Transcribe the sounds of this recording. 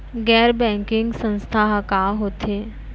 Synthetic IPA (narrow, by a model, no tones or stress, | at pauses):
ɡɛːɾbɛ̃ːŋkɪŋɡsə̃nst̪ʰaɦkaɦoːt̪eː